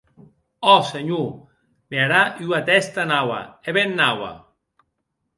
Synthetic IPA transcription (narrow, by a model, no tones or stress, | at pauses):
ɔseɲu | meaɾaʔyat̪ɛst̪anawa̰eβenːawa̰